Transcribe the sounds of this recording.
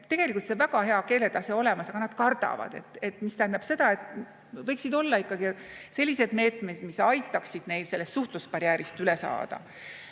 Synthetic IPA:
t̪e̞ɡ̥e̞likult̪sevæɡ̥ɑhe̞ɑke̞ːlet̪ɑseo̞le̞mɑsɑɡ̥ɑnɑd̪̥kɑrd̪̥ɑ̰vɑ̰d̪̥e̞̰t̪ːˑe̞t̪ːˑmist̪æhænd̪̥ɑb̥se̞d̪̥ɑe̞t̪ːˑ | vɤjksid̪o̞lːɑikːˑɑɡ̥ise̞lʲːise̞d̪me̞ːt̪me̞d̪̥misɑjt̪ːˑɑksid̪̥ne̞jlse̞lːe̞st̪suht̪luspɑɾjæːɾist̪yle̞sɑ̰ːd̪̥ɑ̰

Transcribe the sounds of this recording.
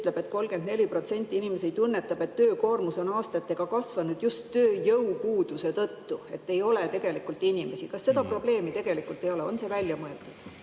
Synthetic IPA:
t̪le̞b̥e̞t̪ːˑko̞lɡe̞nd̪̥ne̞lʲipro̞t̪se̞nʲt̪ʲːˑiinimes̬ejt̪unːe̞t̪ːˑɑb̥e̞t̪ːøːko̞ːrmuso̞nɑːst̪ɑt̪ːe̞ɡ̥ɑkɑsvɑnud̪̥just̪ːøːjɤwpuːd̪̥use̞t̪ɤt̪ːue̞t̪ːe̞jo̞let̪e̞ɡ̥e̞likːˑult̪ːˑinʲime̞sikɑsːe̞d̪ɑpro̞ble̞ːmit̪e̞ɡ̥e̞likult̪ːˑe̞jo̞leo̞nse̞vælʲjɑmoet̪ːˑud̥

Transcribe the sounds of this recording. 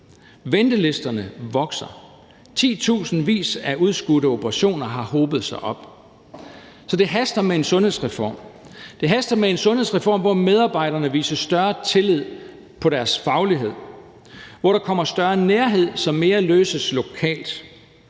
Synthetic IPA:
ʋend̥əle̝sd̥ɐnəʋɒ̽ɡ̥sɐ | t͡sʰḭːt͡sʰṵːsn̩ʋḭːsæuð̞ˠsɡ̥uɾəo̝b̥əʁɑɕo̝̰ːnɐɦɑ̈hɔːb̥ð̞̩ˠsɑ̈ɪʔɒ̽b̥̚ | sɒ̽d̥e̝ɦæsd̥ɐmee̝nsɔ̽nhe̝̰sʁɛfɒ̰ːm | d̥e̝ɦæsd̥ɐmee̝nsɔ̽nhe̝̰sʁɛfɒ̰ːmʋɒmeð̞ˠɑ̈ːb̥ɑ̈ɪ̰ɾ̥ɐnəʋḭːsɐsd̥ɶɐt͡sʰe̝lið̰ˠ | pʰɒ̽ɾæɐsfɑ̈ʊliɦe̝ð̞̰ˠ | ʋɒɾ̥ɑ̈kʰɒ̽m̰ɐsd̥ɶɐneɐɦe̝ð̞̰ˠsɒ̽mme̝ːɐløːsəslo̝kʰɛ̰ːld̥

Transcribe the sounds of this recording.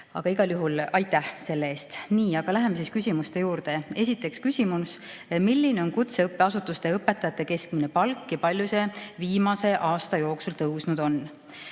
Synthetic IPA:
ɑ̰ɡ̥ɑiɡ̥ɑljuɦulɑjt̪ˑːæhse̞lːee̞ːst̪niːɑɡ̥ɑlæɦe̞mesiskysʲimust̪e̞juːɾd̪̥e̞e̞s̬ʲit̪ːˑe̞kskysʲimusmilʲːine̞o̞nkut̪se̞ɤpːˑeɑsut̪ːˑust̪e̞ɤpːˑe̞t̪ːˑɑjɑt̪ːˑe̞ke̞sk̚mine̞pɑlkːjɑpɑlʲjuse̞viːmɑse̞ʔɑːst̪ɑjo̞ːksult̪ɤwsnud̪̥o̞n

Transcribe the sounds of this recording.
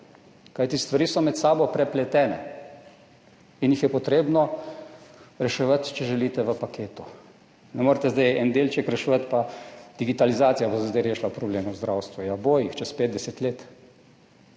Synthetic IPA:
kajt̪ist̪ʋaɾiːsɔmɛt̪saːbɔpɾɛplɛt̪ɛːnɛ̰ | injixjɛpɔt̪ɾeːbnɔ | ɾɛʃɛʋat̪t͡ʃɛʒɛliːt̪ɛʋəpakʰeːt̪u | nɛmoːɾt̪ɛzd̪ajɛnd̪eːlt͡ʃɛkɾɛʃuʋat̪pad̪̥iɡit̪alizaːt̪sijabozd̪ajɾeːʃlapɾɔbleːmuwzd̪ɾawst̪ʋujaboːjixt͡ʃɛspeːd̪̚d̪ɛsɛt̪leːt̪

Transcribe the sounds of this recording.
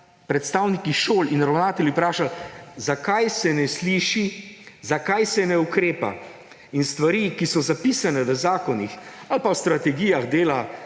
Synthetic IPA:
pɾɛt̪st̪aːwnikiʃoːlinɾawnaːt̪ɛljupɾaːʃalzakajsɛnɛsliːʃizakajsɛnɛukɾeːpa̰ | inst̪ʋaɾikisɔzapisanɛʋəzaːkɔnixalpawst̪ɾat̪ɛɡijaɣd̪eːla

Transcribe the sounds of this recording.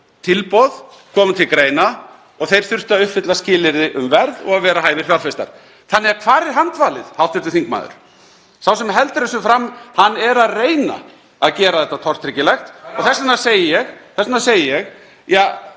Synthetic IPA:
t̪ʰɪlpɔð | kʰɔːmt̪ʰɪlkɾeːjna | ɔɣθejɾ̥θʏr̥t̪aðʏhpfɪt̪lascɪːlɪɾðɪʔʏmvɛɾðɔ̰ɣaðvɛːɾaɦaːjvɪɾ̥fjaɾlfɛst̪a̰ɾ̥ | θanːɪaɾkʰvaːɾɪɾ̥ɦant̪vaːlɪðhawt̪ʏɾt̪ɪ̥θiŋkma̰ːðʏ̰ɾ̥ | sawsɛmɦɛlt̪ɾɛs̬ʏfɾamːhanːɛɾaðreːjna̰ | aðcɛːɾaðθɛht̪ːat̪ʰɔr̥t̪ʰɾɪcɪlɛjxt̪ɔɣθɛsːanasejɪjɛxθɛsanaseːjɪjɛx | jaː

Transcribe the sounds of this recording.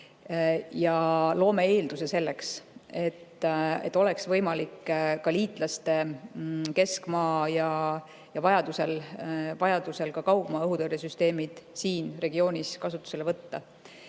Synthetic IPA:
jɑlo̞ːme̞eːld̪̥use̞se̞lːekse̞t̪ːet̪ːˑo̞lɛksvɤ̞jmɑlikːkɑliːt̪ˑlɑst̪e̞ | ke̞skmɑːjɑ | jɑvɑjɑd̪̥use̞lvɑjɑd̪̥use̞lkɑkɑwbmɑɤɦut̪eɾesyst̪e̞ːmid̪̥siːnre̞ɡio̞ːnʲiskɑsut̪ːu̥se̞lvɤt̪ːɑ

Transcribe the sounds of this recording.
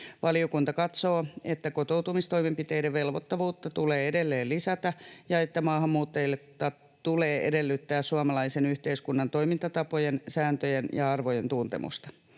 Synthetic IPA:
ʋɑliokunt̪ɑkɑt̪soːet̪ːækot̪owt̪umist̪o̞imempit̪ejdeʋʋe̞lʋot̪ːɑʋuːt̪ːɑt̪uleːedelːeːllisæt̪æjɑet̪ːæmɑːɦɑmːuːt̪ːɑjilːet̪ɑ | t̪uleːʔedelːyt̪ːæːssuɑmɑlɑisenyht̪eiskunːɑnt̪o̞imint̪ɑt̪ɑpojensæːnt̪øjenjɑɑrʋojent̪unt̪ḛmʔṵst̪ɑ̥

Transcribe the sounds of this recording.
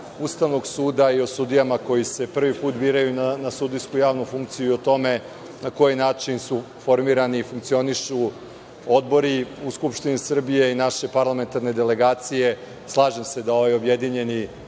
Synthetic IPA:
ust̪aʋno̞ɡsuːd̪aio̞sud̪ijamako̞jise̞pr̩ʋipuːt̪biːɾajunanasud̪ijskujaːʋnufuŋkt̪sijuio̞t̪o̞me̞ | nako̞jinaːt͡ʃinsu | fo̞ɾmiːɾaniːfuŋkt̪sio̞niʃu | o̞d̪bo̞ɾiuskupʃt̪inisr̩bije̞inaʃe̞paɾlˠame̞nt̪aɾne̞d̪e̞le̞ɡaːt̪sije̞ | slˠaːʒemse̞d̪ao̞ʋajobje̞d̪iɲe̞ni

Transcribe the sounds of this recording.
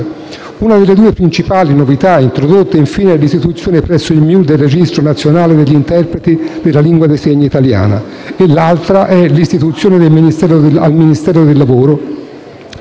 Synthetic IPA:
unad̪elːed̪uːepɾint͡ʃipaːlinovit̪aint̪ɾod̪ot̪ːeiɱfiːneɛlːist̪it̪ut̪sːjoːnepɾɛsːoilmjuld̪elred͡ʒist̪ɾonat̪sːjonaːled̪eʎːint̪ɛrpɾet̪id̪elːaliŋɡwad̪eseɲːoit̪alja̰ːna̰ | elːalt̪ɾaʔɛlist̪it̪ut̪sːjoːned̪elminist̪ɛːɾoalminist̪ɛːɾod̪elːavoːɾo

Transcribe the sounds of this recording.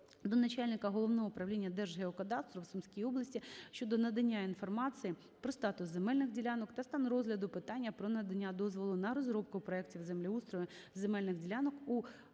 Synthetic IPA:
d̪ɔnɐt͡ʃalʲnɪkɐɦɔlˠɔʋnɔɦɔʊpɾɐʋwlʲinʲːɐd̪ɛrʒɦeɔkɐt̪ɑst̪ɾɔwsʊmsʲkʲijiɔblˠɐsʲtʲiʃt͡ʃɔd̪ɔnɐd̪ɐnʲːainfɔrmɑt͡sʲɨji | pɾɔst̪ɑt̪ʊszemɛlʲnɪxdʲilʲanɔkt̪ɐst̪ɑnrɔzlʲɐd̪ʊpɪt̪ɑnʲːɐpɾɔnɐd̪ɐnʲːad̪ɔzʋɔlˠʊnɐɾɔzɾɔp̚kʊpɾɔɛktʲiwzemlʲiust̪ɾɔjʲɪ | zemɛlʲnɪxdʲilʲanɔku

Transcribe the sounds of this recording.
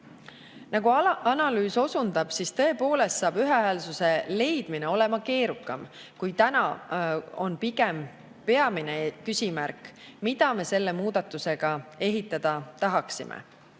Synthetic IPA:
nɑɡuɑnɑlyːso̞sund̪̥ɑb̥sist̪ɤ̞e̞po̞ːle̞st̪sɑːb̥yɦe̞æːlsuse̞le̞jd̪̥mineo̞le̞mɑke̞ːɾukːˑɑm | kujt̪ænɑ | o̞npiɡ̥em | pe̞ɑminekysʲimærk | mid̪̥ɑme̞se̞lːe̞muːd̪ɑt̪ːˑuse̞ɡ̥ɑe̞ɦit̪ːˑɑd̪̥ɑt̪ɑɦɑksimʔḛ

